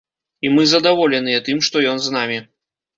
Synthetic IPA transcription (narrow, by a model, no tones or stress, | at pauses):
imɨzɐd̪avɔlʲɛnɨjɛt̪ɨmʂt̪ɔjɔnznamʲi